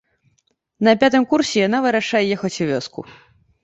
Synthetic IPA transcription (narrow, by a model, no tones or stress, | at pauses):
nɐpʲat̪ɨmkursʲɛjanavɨɾaʂajɛjɛxɐt͡sʲuvʲɔskṵ